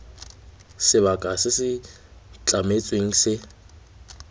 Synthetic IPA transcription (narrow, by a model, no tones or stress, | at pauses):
sɪβakʼasɪsɪ | t͡ɬʼamet͡sʼweŋ̩sɪ